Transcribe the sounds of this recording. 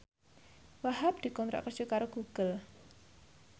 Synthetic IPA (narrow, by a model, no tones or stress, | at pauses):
waɦap̚d̪̥i̤kɔnt̪ɾɔ̰ʔkərd͡ʒ̥ukaɾoɡ̥uɡ̥əl